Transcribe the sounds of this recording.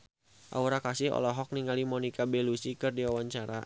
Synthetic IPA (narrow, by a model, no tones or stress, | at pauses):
ʔa̰uɾakasɪhɔ̰lɔɦɔk̚niŋalimɔnikabɛlusikɨrdiwawaɲt͡ʃaɾa